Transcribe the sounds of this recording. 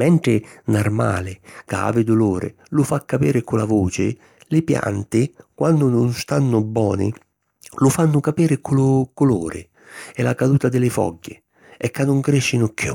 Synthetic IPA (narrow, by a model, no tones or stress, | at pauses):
mɛnt̪ɾɪnarma̰ːlɪkaa̰ːvɪd̪ʊloːɾɪ̰ | lʊfakːapiːɾɪkʊlavuːt͡ʃɪ̰ | lɪpja̰nt̪ɪkwanːʊnʊnst̪anːʊbːɔ̰ːnɪ̰ | lʊfanːʊkapiːɾɪkʰʊlʊkʊloːɾɪ̰ | ɛlakad̪uːt̪ad̪ɪlɪfɔ̰ɟːɪ | ɛkːanːʊŋkɾɪʃːɪnʊkːjṵ